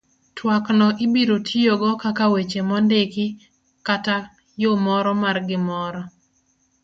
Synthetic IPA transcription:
twaknɔʔɪbiɾotʰijoɡɔkakawet͡ʃemɔndekɪ | kata | jomɔɾɔmarɡɪmɔɾɔ

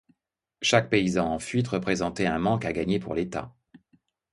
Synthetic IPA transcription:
ʃak̚peizɑ̃ɑ̃fɥit̪ʁəpχezɑ̃t̪ɛɛ̃mɑ̃kaɡaɲepṵʁlet̪a̰

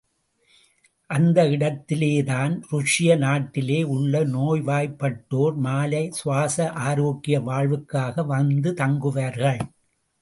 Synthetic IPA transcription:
ʔɐnd̪ɐɪɽɐt̪ːɪleːðaːnɾʊʂɪjɐnaːʈːɪleːʊɭːɐnoːjʋaːjpːɐʈːoːɾmaːlɐɪsʊʋaːsɐʔaːɾoːɣɪjɐʋaːɭʋɯkːaːɣɐʋɐnd̪ɯt̪ɐŋɡɯʋaːɾɣɐɭ

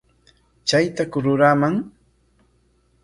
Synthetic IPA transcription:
t͡ʃajt̪akʊɾʊɾamaŋ

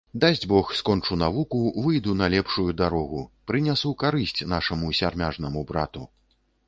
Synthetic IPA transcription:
d̪azʲd͡zʲbɔxskɔnt͡ʂunavukuvɨjd̪unɐlʲɛpʂujud̪aɾɔɣupɾɨnʲasukaɾɨsʲt͡sʲnaʂɐmusʲarmʲaʐnɐmubɾa̰t̪u

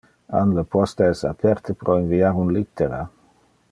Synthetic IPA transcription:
anləpɔst̪eɛsapʰɛɾt̪əpɾʔoinviaɾunlit̪ːeɾa

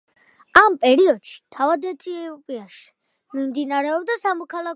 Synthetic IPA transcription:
ampʼɛɾiɔd̪̥ʃi̥t̪ʰavad̪ɛt̪ʰiɛɔpʼiaʃi̥ | mimd̪inaɾɛɔbd̪asamɔkʰalˠa

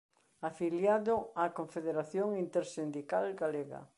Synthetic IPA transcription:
afiljaðʊakoɱfeðeɾaθjoŋint̪eɾsind̪ikalɡaleɣa̰

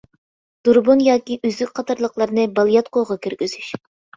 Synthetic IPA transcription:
d̪̥uɾbunjɑːkʲiʔyzlyk̚ʲqʰɑt̪ʰɑɾlˠəqlˠɑɾnɨbɑlˠjɑt̪̚qʰoʁɑkʲʰyɾɡʲyz̥yʃ

